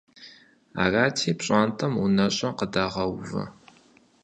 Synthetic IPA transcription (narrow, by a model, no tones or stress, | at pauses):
a̰ːraːtʰiːpɕʼaːntʰɐmunɐɕʼɐqədaːʁɐwvɐ̰